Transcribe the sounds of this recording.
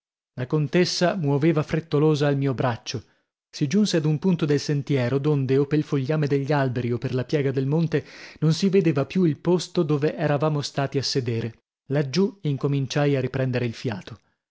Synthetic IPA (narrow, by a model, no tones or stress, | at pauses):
lakont̪esːamwoveːvafɾet̪ːoloːzaːlmiːobɾat͡ʃːo | sid͡ʒunsead̪umpunt̪od̪elsent̪jɛːɾod̪ond̪eopːelfoʎːaːmed̪eʎːialbeɾiopːerlapjɛːɡad̪elmont̪enonsived̪eːvapjuilpost̪od̪oːveʔɛɾavaːmost̪aːt̪iasːed̪eːɾe | lad͡ʒːuiŋkomint͡ʃajarːipɾɛnd̪eɾeilfjaːt̪o